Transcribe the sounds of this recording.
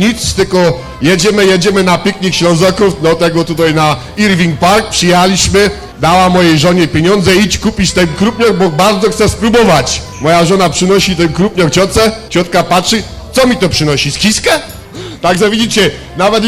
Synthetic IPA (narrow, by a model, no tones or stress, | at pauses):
ɲit̪st̪ɘlkɔ | jɛd͡ʑɛmɘjɛd͡ʑɛmɘnapʲikɲikɕlɔ̃ñzɔkufd̪ɔt̪ɛɡɔt̪ut̪ajna | iɾvʲiŋk̚paɾk̚pʂɨjɛhalʲiɕmɘ | d̪awamɔjejʐɔɲɛpʲjeɲɔnd̪zɛit͡ɕkupʲit͡ɕt̪ɛŋkɾupʲɲɔɡbɔbaɾd̪zɔxt̪sɛspɾubɔvat͡ɕ | mɔjaʐɔnapʂɘnɔɕit̪ɛmkɾupɲɔk̚t͡ɕɔt̪sɛt͡ɕɔt̪kapatʂɘ | t̪ɔmʲit̪ɔpʂɘnɔɕiskʲiskɛ | t̪aɡʐɔvʲid͡ʑit͡ɕɛ | navɛt̪